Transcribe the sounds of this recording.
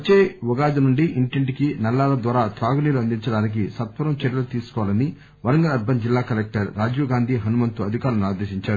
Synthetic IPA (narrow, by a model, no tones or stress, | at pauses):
ɐt͡ʃːeːʋɔɡaːd͡ʒɐnuɳɖiʔiɳʈeɳʈikinɐlːaːlɐd̪ʋaːɾaːt̪ɾaːɡuniːluɐnd̪iɲt͡ʃɐɽaːnik̬isɐt̪ʋɐɾɐmt͡ʃɛɾjɐlut̪iːsu̥kɔʋlɐni | ʋɐɾɐŋɡɐɾɐɾ̚bɐnd͡ʒilːaːkɐlek̚ʈɐɾːaːd͡ʒuːɡaːnd̪ʱiːɦɐnumɐnt̪uɐd̪ʱikaːɾlɐnuaːd̪eʃiɲt͡ʃaːɾu